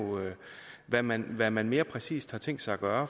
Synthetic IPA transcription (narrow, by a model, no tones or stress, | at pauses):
øʋæmænʋæmænme̝ːɐpʰʁɛsḭːsd̥hɑ̈t͡sʰeŋ̰d̥sɑ̈ɪɐɡ̥ɶːɐ